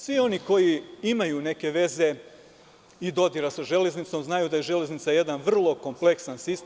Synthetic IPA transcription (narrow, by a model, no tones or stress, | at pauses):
sʋio̞niko̞jiimajune̞ke̞ʋe̞ze̞ | id̪o̞d̪iɾasaʒe̞le̞znit̪so̞mznajud̪aje̞ʒe̞le̞znit̪saje̞d̪anʋr̩lˠo̞ko̞mple̞ksansist̪